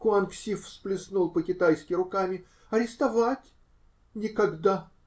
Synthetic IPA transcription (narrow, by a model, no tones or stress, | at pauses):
kʊanksʲifsplʲɪsnulˠpəkʲɪt̪ajskʲɪɾʊkamʲɪ | ɐɾʲɪst̪ɐvatʲ | nʲɪkɐɡd̪a